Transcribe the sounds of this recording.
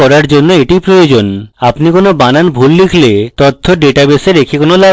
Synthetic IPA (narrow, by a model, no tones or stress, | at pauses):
ɔɾaɾd͡ʑonːoeʈijpɾojod͡ʑonapnikonobananbʱullikʰlet̪ot̪ʰːoɖeʈabeseɾekʰekonola